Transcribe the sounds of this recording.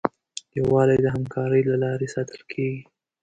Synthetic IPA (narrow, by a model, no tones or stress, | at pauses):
jawɑlajd̪əɦamkʰɑɾəjlalɑɾesɑt̪əlkʰeɡi